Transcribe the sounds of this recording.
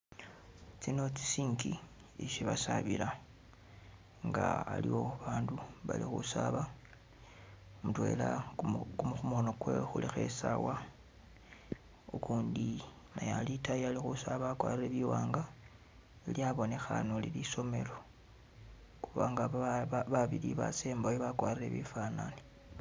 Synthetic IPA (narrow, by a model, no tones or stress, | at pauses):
t͡sino̞t͡si̥siːŋɡi | iʃiβasaβila | ŋɡaa̰lḭwo̞βaːnduβa̰lixṵsaβa | mutwe̞lakumuxumuono̞kwexulixe̞sawa | ukuːndi | najalitajialixusaβakwaːrireβiwaːŋɡa | iljaβo̞ne̞xanoliliso̞me̞̰lo̞ | xuβaŋɡaβaβiliβa̰seːmbajoβakwaːrire̞̰βifanani̥